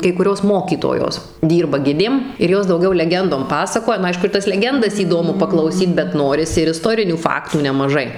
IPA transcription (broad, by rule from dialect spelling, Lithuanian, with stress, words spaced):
kɐɪ kʊˈrʲoːs ˈmoːkʲiːtoːjoːs ˈdʲiːrbɐ ˈɡʲɪdʲeːm ɪr ˈjoːs dɐʊˈɡʲɛʊ lʲɛˈɡʲɛndoːm ˈpɑːsɐkoːjɛ nʊ ˈɐɪʃkʊ ɪr ˈtɐs lʲɛˈɡʲɛndɐs iːˈdoːmʊ pɐklˠɐʊˈsʲiːt bʲɛt ˈnoːrʲɪsʲɪ ɪr ɪˈstoːrʲɪnʲuː ˈfɑːktuː nʲɛmɐˈʒɐɪ